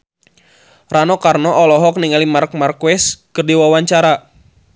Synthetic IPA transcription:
ranɔkarnɔʔɔlɔɦɔk̚niŋalimark̚markuwɛskɨrdiwawaɲt͡ʃaɾa

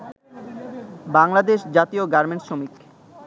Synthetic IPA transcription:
baŋlad̪eʃd͡ʑat̪ioɡaɾmeɳʈʃomik

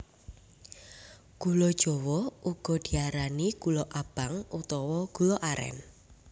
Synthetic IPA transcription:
ɡ̥ulɔd̥ʒ̥ɔwɔʔuɡ̥ɔ̤d̪̥i̤aɾaniɡ̥ulɔʔab̥a̤ŋut̪ɔwɔɡ̥ṳlɔʔaɾɛ̰n

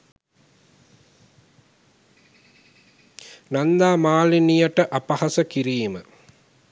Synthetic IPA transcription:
nɐnd̪aːmaːlinijɐʈəʔɐpɐhɐsɐkiɾijmə

